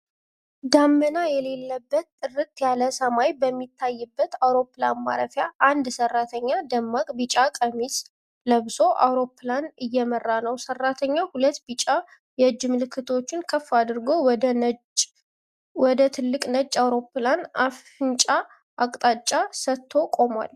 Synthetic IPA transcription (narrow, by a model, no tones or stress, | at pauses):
d̪amːənajɛle̞lːəbːət̪ːʼɨɾɨt̪jaləsəmajbəmːit̪ʰːajːɨbːət̪awɾo̞pːla̰nma̰ɾəfjaʔand̪sərːat̪ʰəɲːad̪əmːakʼbɨt͡ʃʼakʼəmis | ləβso̞ʔa̰wɾo̞planɨjːɛmərːanəwsərːat̪ʰəɲːahulət̪ːbɨt͡ʃʼa | jɛd͡ʒːɪmɨlɨkʰːɨt̪ʰo̞t͡ʃːɪnkʰəfːad̪ɨɾɡo̞wd̪ | wɔd̪ət̪ʰɨlːɨkʼnət͡ʃʼːawɾo̞planaf | ɨnt͡ʃʼa | ʔakʼt̪ʼat͡ʃʼːasət̪ʰːo̞kʼo̞mʷa̰l